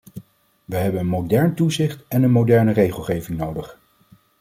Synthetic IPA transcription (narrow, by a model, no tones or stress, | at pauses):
ʋəɦɛbənənmowdɛɹntuzɪχtɛnənmowdɛɹnərejχəlˠχejvɪŋnowdəχ